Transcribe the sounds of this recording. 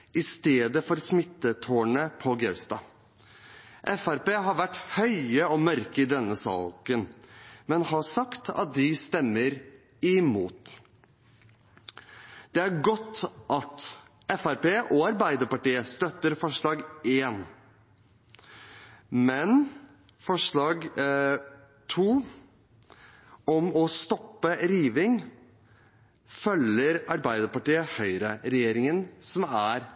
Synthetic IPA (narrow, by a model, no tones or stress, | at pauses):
ɪst̪eːd̪əfɔɾsmɪt̪ːət̪ʰoːɳəpʰɔɡœʉst̪ɑ̰ː | ʔɛfæɾpeːɦɑɾʋæʈːhœʏəɔmœɾkəɪd̪ɛnːəsɑ̰ːkənmɛnhɑsɑkt̪ɑ̰t̪̚d̪ɪst̪ɛmːəɾ | ɪmuːt̪ | d̪̥ɛæɾɡɔt̪ːʔɑt̪ | ɛfæɾpeːʔɔɑɾbæɪd̪əɾpɑʈiːəst̪œt̪ːəɾfɔʂɭɑːɡeːn | mɛn | fɔʂɭɑːɡ | t̪ʰuː | ɔmɔst̪ɔpːəɾiːʋɪŋ | fœləɾɑɾbæɪd̪əɾpɑʈiːəhœʏɾəɾɛjeːɾɪŋənsɔmæɾ